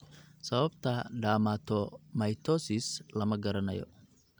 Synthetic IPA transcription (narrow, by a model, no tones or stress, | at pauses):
sɐβɐbt̪ʰɐɖaːmaːt̪ʰɔmɐjt̪ʰɔsɪslɐmɐɡɐɾɐnɐ̰jɔ̰